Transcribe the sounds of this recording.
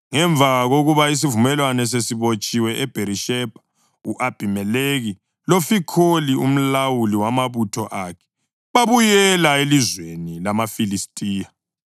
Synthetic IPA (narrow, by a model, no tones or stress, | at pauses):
ŋɛɱbvʱaɣaɣoɣuβais̬ivumɛlwanɛs̬esiβot͡ʃʼiwɛʔɛb̥ʱeɾiʃɛb̥ʱḁ | uʔab̥ʱimɛleɣi | lofikʰolium̩lawuliwamaβutʰɔʔakʰɛ̥ | βaβujɛlaelizwenilamafilistʼiːja